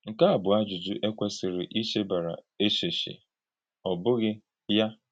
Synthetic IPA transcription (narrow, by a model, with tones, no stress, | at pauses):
ŋ̩˨ka˦a˨bʊ˨a˦d͡ʒʊ˨d͡ʒʊ˦ʔe˦kʷe˦sɪ˨ɾɪ̰˨ʔi˦ʃe˦ba˨ɾa̰˨e˦ʃe˨ʃḛ˨ | ɔ˨bʊ˦ɣɪ˦ | ja˦